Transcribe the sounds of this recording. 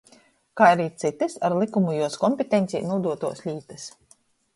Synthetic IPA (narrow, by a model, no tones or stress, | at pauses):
kaːaɾiːt̪sit̪ɨsaɾlˠikumujuɔskɔmpʲet̪ent̪sʲiːnuɔd̪uɔt̪uɔslʲiːt̪ɨs